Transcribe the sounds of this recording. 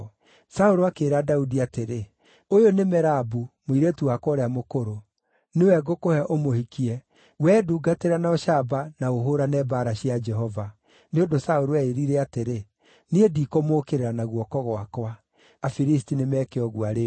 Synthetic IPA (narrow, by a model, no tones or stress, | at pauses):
saoɾoakeːɾadaudiateɾe | ojonemɛɾabumoiɾetuwakwɔɾeamokoɾo | newɛɡokohɛʔomohikiɛ | wɛːduːɡateɾanaɔʃabanaoɦoɾanɛbaɾaɕiad͡ʒɛɦɔva | neondosaoɾoɛeɾiɾɛateɾe | niedikomoːkeɾeɾanaɣwɔkɔɣwakwa | afiɾis̬tinemɛkeɔɣwaɾe